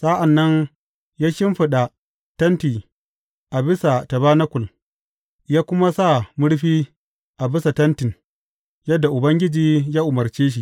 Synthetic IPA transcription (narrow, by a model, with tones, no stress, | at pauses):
sa˦ʔa˨nːɐ˦n | jaː˦ʃɪ˦mɸɪ˨ɗa˨ | tɐ˦ntiː˨ | ʔa˨bɪ˦sa˨ta˨baː˦na˦kʷʊ˨l | jaː˦kʷʊ˦ma˦sa˦˨mʊ˦ɽɸiː˦ | ʔa˨bɪ˦sa˨tɐ˦ntɪ˨n | jɐ˦dːa˨ʔʊ˨bɐ˦ŋɡʲɪ˦d͡ʒiː˨˦jaː˦ʔʊ˨mɐ˨ɾt͡ʃeː˦ʃ̬i˨